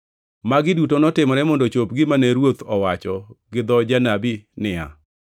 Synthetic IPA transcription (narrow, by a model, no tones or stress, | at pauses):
maɡɪdutonɔtɪmɔɾɛmɔndot͡ʃop̚ɡɪmanɛɾwot̪ɔwat͡ʃɔɡɪd̪ɔd͡ʒanabinɪa̰